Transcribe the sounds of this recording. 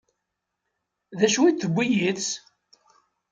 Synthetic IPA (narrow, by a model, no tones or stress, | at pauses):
ðæʃwit̪ːəbʷːijit͡s